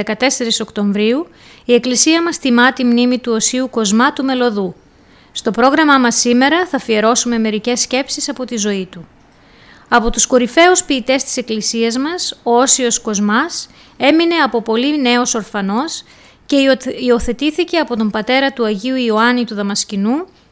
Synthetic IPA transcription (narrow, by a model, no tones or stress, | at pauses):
ekɐt̪e̞se̞ɾiso̞kt̪o̞ɱvɾiu | ie̞klisiɐmɐst̪imɐt̪imnimit̪uo̞siuko̞zmɐt̪ume̞lo̞ðu | st̪o̞pɾo̞ɣɾɐmɐmɐsːime̞ɾɐθɐfie̞ɾo̞sume̞me̞ɾice̞sːce̞psisɐpo̞t̪izo̞it̪u | ɐpo̞t̪usko̞ɾife̞uspiːt̪e̞st̪i̥se̞klisiɐzmɐso̞osio̞sko̞zmɐs | e̞mine̞ɐpo̞po̞line̞o̞so̞ɾfɐno̞s | ce̞io̞θe̞t̪iθice̞ɐpo̞t̪o̞mbɐt̪e̞ɾɐt̪uɐʝiuioɐnit̪uðɐmɐscinu